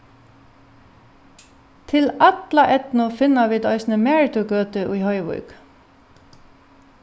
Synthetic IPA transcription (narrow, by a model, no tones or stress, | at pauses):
t̪ʰɪlɑt̪lɑʔɛt̪nʊfɪnɑʋiːd̪œʏsnəmɛːɹɪt̪ʊɡøːt̪əʔuːhɔʏʋʊ̰ʏk